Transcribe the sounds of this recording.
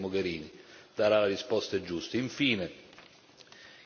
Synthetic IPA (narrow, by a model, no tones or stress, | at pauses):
moɡeɾiːnid̪̥aɾalaɾispɔst̪ed͡ʒust̪əiɱfiːne